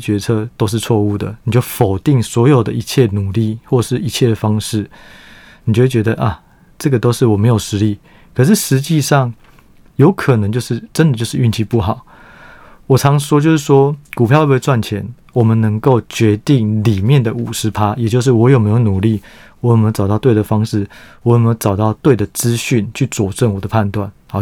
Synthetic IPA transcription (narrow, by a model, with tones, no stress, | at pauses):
t͡ɕɥɛ˧˥t͡sʰɤ˥˧t̪o˥ʊʂ̬ɻ̩˥˧t͡sʰwɔ˥˧u˥˩d̪ə̰˩ni˨˩t͡ɕjo˥˩ʊfo˨˩ʊt̪i˥˩ŋswɔ˧˥jo˨˩ʊd̪ə̰˦˨i˧˥t͡ɕʰjɛ˥˩nu˨˩li˥˩xwɔ˥˩˨ʂɻ̩˥˩i˧˥t͡ɕʰjɛ˥˩d̪ə˩fɑ˥ŋʂɻ̩˥˩ | ni˨˩t͡ɕo˥˧we˥˩t͡ɕɥɛ˧˥d̪ə˧ʔa˨ | ʈ͡ʂɤ˥˨˩ɡə˩t̪o˥ʊʂɻ̩˥˩wɔ˨˩me˧˥ɪjo˨˩ʊʂɻ̩˧˥li˥˩ | kʰɤ˨˩ʂ̬ɻ̩˥˩ʂɻ̩˧˦t͡ɕi˥˧ʂɑ˥˩ŋ | jo˧˥ʊkʰə˨˩nə˧˦ŋt͡ɕjo˥˧ʊʂɻ̩˥˩ʈ͡ʂə˦nd̪ə˨t͡ɕjo˥˧ʊʂɻ̩˥˧y˥˧nt͡ɕʰi˧pu˥˩ɦɑ˨˩˦ʊ | wɔ˨˩t͡sʰɑ˧˥ŋ˩wɔ˥t͡ɕjo˥˧ʊʂɻ̩˥˩ʂwɔ˥ku˨˩pʰjɑ˥˧˦wwe˥˧t͡swa˥˩nt͡ɕʰjɛ˧˦n | wɔ˨˩mə˦nnə˧˥ŋko˥˩ʊt͡ɕɥɛ˧˥t̪i˥˩ŋli˨˩mjɛ˥˨nd̪ə˩u˨˩ʂɻ̩˧˦pʰa˦˥jɛ˨˩t͡ɕjo˥˧ʊʂ̬ɻ̩˥˩wɔ˧˦jo˨˩me˧˥ɪjo˧ʊnu˨˩li˥˩ | wɔ˨˧˥jme˧˥˧ɑ˨˩ʊt̪ɑ˥˧ʊt̪we˥˩ɪd̪ə˩fɑ˥ŋʂɻ̩˥˩wɔ˧˦jme˧˥˧ʊʈ͡ʂɑ˨˩ʊt̪ɑ˥˧ʊt̪we˥˩ɪd̪ə˩t͡sɹ̩˦ɕy˥˩nt͡ɕʰy˥˩t͡swɔ˨˩ʈ͡ʂə˥˩ŋwɔ˨˩d̪ə˦pʰa˥˧nt̪wa˥˩nhɑ˨˦